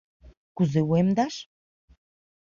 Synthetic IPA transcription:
kuzewemd̪aʃ

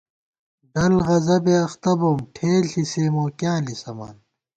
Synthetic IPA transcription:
ɖɐlʁɐzɐbeɐxt̪ɐbomʈʰeːlɬiseːmoːkjãːlisɐma̰ːn

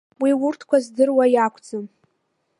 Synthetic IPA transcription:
wiwʊrtʰkʷazdɨrwajakʷʰʼd͡zɨm

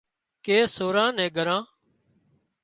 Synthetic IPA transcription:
keːsoːɾãːnɛ̃ːɡʱəɾãː

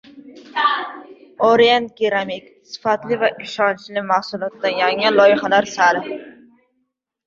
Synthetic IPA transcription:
oɾijant̪̚kʲeɾamikʲsɪ̥fat̪lɪvaʔɪʃɒnt͡ʃlɪmahsulˠɒt̪ːajaŋɪlˠɒjɪχalaɾsalɪ

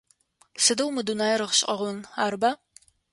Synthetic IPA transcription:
sɨdɐwmɨdunaːjɾɨʁɕqʼɐʁʷʊnaːɾbaː

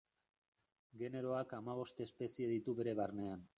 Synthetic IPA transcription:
ɡe̞ne̞ɾo̞akamaβo̞st̪eːspe̞sieðit̪uβe̞ɾe̞βarne̞an

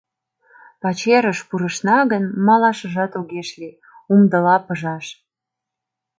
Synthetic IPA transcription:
pɑt͡ɕeɾəʃpuɾəʃnɑɣənmɑlɑʃəʒɑt̪oɣeʃli | umd̪əlɑpəʒɑʃ

